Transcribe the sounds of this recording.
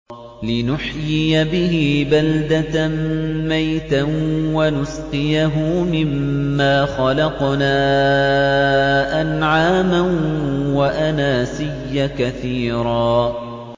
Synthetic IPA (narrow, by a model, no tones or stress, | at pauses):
lɪnʊħjɪjabɪɦɪːbald̪at̪amajt̪anwanʊsqɪjaɦʊmɪmːaːxɑlɑqnaː | ʔanʕaːmanwaʔanaːsɪjːakaθiːɾɑː